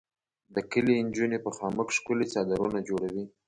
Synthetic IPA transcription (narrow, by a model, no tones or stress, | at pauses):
d̪əkəliɪnd͡ʒunepəxɑməkʂkʊlet͡sɑd̪aɾunad͡ʒoɽawi